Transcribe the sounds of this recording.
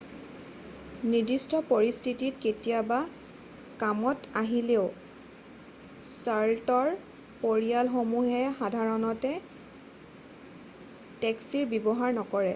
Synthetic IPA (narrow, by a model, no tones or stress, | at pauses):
nidistɔpoɹistʰititketijaba | kamɔtaɦileʊ | saltɔɹ | poɹialxomuɦɛxadʱaɹɔnɔtɛ | tɛksiɹbɔbɔɦaɹnɔkɔɹɛ